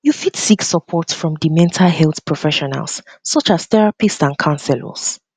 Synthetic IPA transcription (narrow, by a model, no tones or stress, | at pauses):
jufitsiksəpʰɔtsfɹɔ̃mdimɛ̃ntʰalhɛlˠθpʰɹɔfɛʃɔna̰lˠsːɔt͡ʃaz̥θɛɹapistsãnkʰãnsɛlə̰s